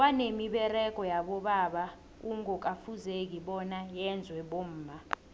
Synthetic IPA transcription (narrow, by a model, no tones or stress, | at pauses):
wanemiɓɛrɛk̬ʼɔjaɓɔɓaːɓa | uŋɡʱɔk̬ʼafuzek̬iɓɔnajɛnd͡zʱwɛɓom̩ːma